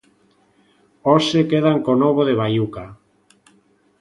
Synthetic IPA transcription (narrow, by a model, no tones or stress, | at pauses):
osekeð̞aŋkonoβ̞oðeβ̞ajuka